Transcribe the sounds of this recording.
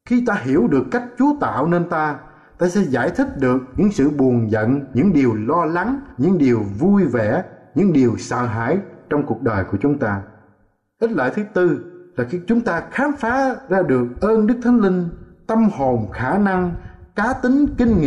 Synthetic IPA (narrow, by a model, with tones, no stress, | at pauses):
xi˧t̪aː˧ɦi˧˩əwɗɨ˨˩əkːa˦˥jk̟̚t͡ɕu˨˦ət̪a̰ː˧˨wne˧nt̪aː˧ | t̪aː˧sɛ̰˧˥zaː˧˩jt̪ʰï˦˥k̚ɗɨ˨˩ək̚ɲɨ̰˧˥ŋsɨ̰˧˨ɓu˨˩ənzə̰˧˨nɲɨ̰˧˥ŋɗi˨˩əwlɔ˧la˨˦ŋɲɨ̰˧˥ŋɗi˨˩əwvu˧jvɛ˧˩˨ɲɨ̰˧˥ŋɗi˨˩əwsə̰ː˧˨ɦa̰ː˧˨jt͡ɕɔ˧wŋ͡mku˨˩ək̚ɗəː˨˩jku˧˩ət͡ɕʊ˨˦ŋ͡mt̪aː˧ | ʔi˦˥t̚lə̰ː˧˨jt̪ʰɨ˨˦t̪ɨ˧laː˨˩xi˧t͡ɕʊ˨˦ŋ͡mt̪aː˧xaː˨˦mfaː˨˦zaː˧ɗɨ˨˩ək̚ʔəː˧nɗɨ˦˥k̚t̪ʰa˨˦jŋ̟lï˧ŋ̟t̪ə˧mho˨˩nxaː˧˩na˧ŋkaː˨˦t̪ï˨˦ŋ̟kï˧ŋ̟ŋḭ˧˨